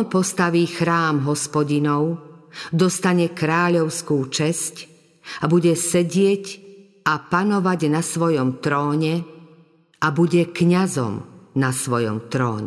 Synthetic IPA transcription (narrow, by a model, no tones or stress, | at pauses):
npɔst̪aʋiːxɾaːmɦɔspɔɟinɔʊd̪ɔst̪aɲɛkɾaːʎɔʊskuːt͡ʃɛsc | abuɟɛsɛɟɪɛc | apanɔʋaɟnasʋɔjɔmt̪ɾɔːɲɛ | ʔabuɟɛkɲazɔ̰mnasʋɔjɔ̰mt̪ɾɔ̰ːɲɛ̰